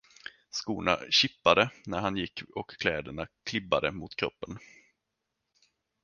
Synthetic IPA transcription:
skuːna̰ɕɪpːad̪ənæɾhanjɪkːɔkʰːlɛːd̪əɳakʰlɪbːa̰d̪əmʊt̪kʰɾɔ̰pːən

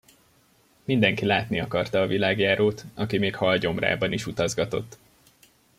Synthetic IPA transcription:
mind̪ɛŋkilaːt̪niɒkɒrt̪ɒːvilaːɡjaːɾoːt̪ɒkimeːkhɒlɟo̞mra̰ːbɒniʃut̪ɒzɡɒt̪o̞̰t̪ː

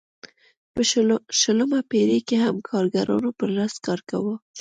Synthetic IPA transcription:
pəʃələmapeɾekehamkʰɑɾɡaɾɑ̰nopəɾlast̪kɑɾka̰wə

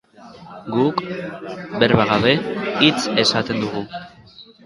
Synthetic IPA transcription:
ɡuk | beɾβaɣaβe̞it͡se̞sat̪e̞nd̪uɣu

